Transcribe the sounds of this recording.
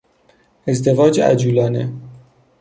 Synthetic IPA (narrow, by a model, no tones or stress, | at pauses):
ezd̪evɒːd͡ʒeæ̰d͡ʒuːlɒːnḛ